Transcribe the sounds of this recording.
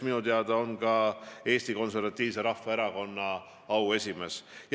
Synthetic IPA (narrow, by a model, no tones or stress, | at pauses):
minut̪eɑd̪̥ɑo̞nɡɑe̞ːst̪iko̞ns̬e̞rvɑt̪ːˑiːvse̞ɾɑfːɑe̞ɾɑko̞nːɑ | ɑwe̞sʲime̞sj